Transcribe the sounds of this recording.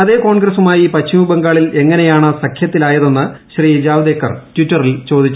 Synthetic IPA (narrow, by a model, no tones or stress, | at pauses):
ɐðe̞ːko̞ːɳɡrɐsumaːjipɐt͡ɕːimubɐŋɡaːɭile̞ŋːɐne̞jaːɳɨsɐkʰjɐt̪ːilaːjɐðo̞nːɨɕriːd͡ʑaːʋd̪ekːɐrtwitːɐrilt͡ɕo̞ːd̪it͡ɕːu